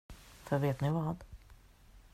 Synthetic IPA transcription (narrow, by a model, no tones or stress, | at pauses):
fœɾveːt̪nɪvɑːd̪